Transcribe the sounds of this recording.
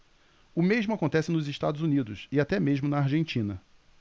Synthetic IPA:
ʊmeʒmʊakõnt̪ɛsɪnʊzɪʃt̪ad̪ʊzunid̪ʊsɪat̪ɛmeʒmʊnɐːɾʒẽnt͡ʃĩnɐ

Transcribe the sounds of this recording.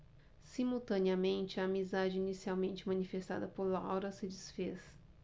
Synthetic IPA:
simuwt̪ɐ̃niɐmẽnt͡ʃɪɐːmizad͡ʒɪinisiawmẽnt͡ʃɪmɐ̃nifest̪a̰d̪ɐpoɾlawɾɐsɪd͡ʒisfes

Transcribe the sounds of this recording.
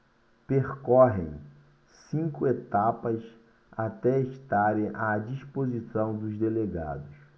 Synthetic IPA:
peχkɔɦḛ̃j̃ | sĩŋkʊet̪apɐs | at̪ɛeʃt̪aɾẽʔad͡ʒispozisɐ̃w̃d̪ʊzd̪eleɡa̰d̪ʊs

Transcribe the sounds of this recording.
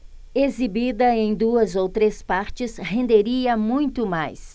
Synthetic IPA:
ezibid̪ɐẽj̃d̪uɐzowt̪ɾespaɾt͡ʃɪshẽnd̪eɾiɐmũj̃t̪ʊmajs

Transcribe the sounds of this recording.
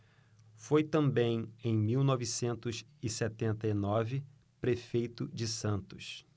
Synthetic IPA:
fojt̪ɐ̃mbẽj̃ẽj̃miwnɔvisẽnt̪ʊsɪsɛt̪ẽnt̪ɐinɔvɪ | pɾefejt̪ʊd͡ʒɪsɐ̃nt̪ʊs

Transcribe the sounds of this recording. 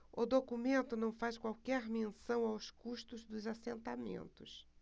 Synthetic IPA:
ʊd̪okumẽnt̪ʊnɐ̃w̃faskwawkɛɾmẽsɐ̃w̃awskuʃt̪ʊzd̪ʊzasẽnt̪amḛ̃nt̪ʊs

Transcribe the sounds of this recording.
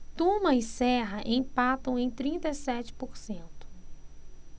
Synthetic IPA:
t̪ũmɐɪsɛɦɐʔẽj̃pat̪ɐ̃w̃ẽj̃t̪ɾĩnt̪ɐisɛt͡ʃɪ̥poɾsẽnt̪ʊ̥

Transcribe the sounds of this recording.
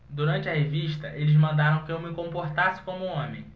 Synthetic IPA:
d̪uɾɐ̃nt͡ʃɪɐɦeviʃt̪ɐʔelɪzmɐ̃nd̪aɾɐ̃w̃kɪewmɪkõmpoɾt̪asɪ̥kõmʊũõmẽj̃

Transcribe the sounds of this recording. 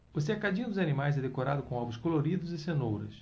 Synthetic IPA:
ʊs̬ekad͡ʒĩɲʊd̪ʊzanimajzɛd̪ekoɾad̪ʊkõɔbʊskoloɾid̪ʊzɪsenowɾɐ̰s

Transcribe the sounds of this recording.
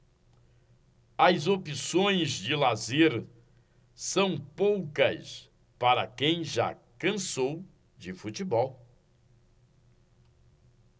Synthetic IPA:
ɐzopisõj̃zd͡ʒɪlazeɾ | sɐ̃w̃powkɐs | paɾɐkẽj̃ʒa̰ | kɐ̃sow | d͡ʒɪfut͡ʃibɔw

